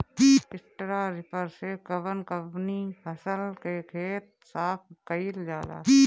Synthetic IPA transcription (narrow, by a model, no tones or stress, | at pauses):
iɪsʈɾaɾɪpəɾsekəbənkəpnipʰəsəlkekʰeːt̪̚ | saːp̚ʰkəild͡ʒaːla̰ːi